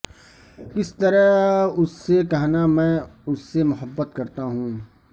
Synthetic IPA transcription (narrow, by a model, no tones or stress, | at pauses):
kɪst̪əɾəʊsːekɐɦnamɛ̃ːʊsːemʊɦəbːət̪kɐɾt̪aɦũː